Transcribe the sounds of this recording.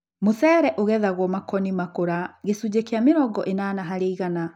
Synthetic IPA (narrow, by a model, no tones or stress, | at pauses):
mosɛːɾɛʔoɣɛðaɣwɔmakɔnimakoɾaɣesud͡ʑekeameɾɔɡɔʔenanaɦaɾeiɣana